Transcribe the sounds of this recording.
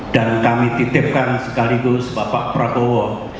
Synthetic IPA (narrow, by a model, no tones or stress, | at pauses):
d̥ankamit̪it̪ɪp̚kansəkaliɡusbapa̰ʔpɾakowɔ